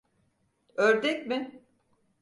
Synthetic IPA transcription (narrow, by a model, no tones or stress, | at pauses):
øɾd̪ɛcmɪ